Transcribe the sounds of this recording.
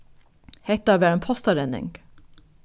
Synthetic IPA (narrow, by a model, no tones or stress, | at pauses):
hɛɪt̪æːʋæɾɛnpʰɔst̪ɑɾɛnɪ̰ŋɡ